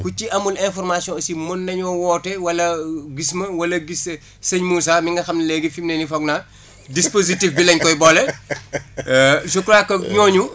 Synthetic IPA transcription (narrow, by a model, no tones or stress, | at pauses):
kuciɐmulɛnfɔrmasijɔ̃simɔnːɐɲɔwɔːtɛwɐlɐɡismɐwɐlɐɡis | sɛɲmuːsamiŋɡɐxɐmnɐlɛɡifimnɛnifɔɡna | dispositifbilɐɲkɔjbɔlɛ | sukɾakːɐɲɔːɲu